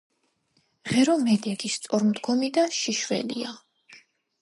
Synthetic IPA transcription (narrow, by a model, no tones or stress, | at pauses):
ʁɛɾɔmɛd̪ɛɡist̪sʼɔɾmd̪ɡɔmid̪aʃiʃwɛ̰lia